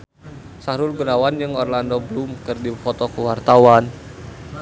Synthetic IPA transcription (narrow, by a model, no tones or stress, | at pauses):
saɾulɡunawand͡ʒɨŋɔrlandɔblumkɨrdifɔt̪ɔkuwart̪awan